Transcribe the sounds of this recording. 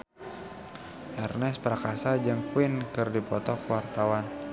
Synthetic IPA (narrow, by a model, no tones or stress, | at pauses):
ʔɛrnɛspɾakasad͡ʒəŋkuwinkɨrdipɔt̪ɔkwart̪awan